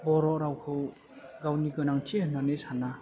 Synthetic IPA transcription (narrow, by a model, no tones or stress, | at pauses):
bɔɾɔɾawkʰɯw | ɡawniɡɯnaŋt͡ʃiɯnanesana